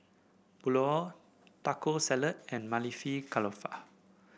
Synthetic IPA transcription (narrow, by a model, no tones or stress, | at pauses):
b̥ulɔ | takosɛlət̚ɛ̃nmalifikʰalɔfa̰